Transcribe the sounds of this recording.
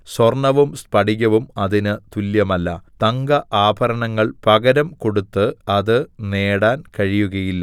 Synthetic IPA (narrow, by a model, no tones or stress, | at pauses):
swɐrɳɐʋumspɐɽiɣʲɐʋumɐðinɨt̪uljɐmɐlːɐt̪ɐŋɡɐʔaːbʱɐɾɐɳɐŋːɐɭpɐɣɐɾɐmko̞ɽut̪ːɨɐðɨneːɽaːnkɐɻijuɣɐjilːɐ